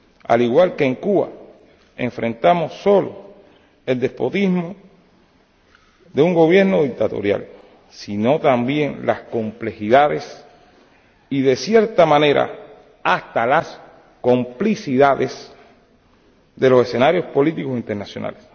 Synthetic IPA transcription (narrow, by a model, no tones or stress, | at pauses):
a̰liɣwalkeːŋkuβa̰ | ḛɱfɾẽ̞nt̪amo̞sːo̞lo̞ | e̞ld̪e̞spo̞t̪izmo | ðeuŋɡo̞βje̞ɾno̞ðik̚t̪at̪o̞̰ɾja̰l | sino̞t̪ambje̞ŋlasko̞mple̞xiðaðe̞s | iðe̞sjeɾt̪amãne̞ɾa̰ | ast̪alas | ko̞mplisiðaðes | d̪e̞lo̞se̞se̞naɾjo̞spo̞lit̪iko̞sint̪eɾnasjo̞nʔa̰les